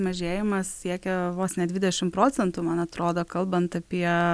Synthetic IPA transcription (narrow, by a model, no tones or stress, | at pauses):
mɐʒʲeːjɪmɐssʲiɛkʲɛʋoːsnʲɛd̪ʲʋʲɪd̪ʲɛʃʲɪmpɾoːt͡sʲɛnt̪uːmɐnɐt̪ɾoːd̪oːkɐlˠbɐnt̪ɐpʲiɛ